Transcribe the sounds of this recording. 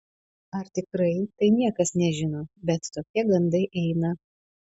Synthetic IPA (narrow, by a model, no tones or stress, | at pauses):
ɐɾt̪ʲɪkɾɐɪt̪ɐɪnʲiɛkɐsnʲɛʒʲɪnoːbʲɛt̪t̪oːkʲiɛɡɐnd̪ɐɪʔɛɪnɐ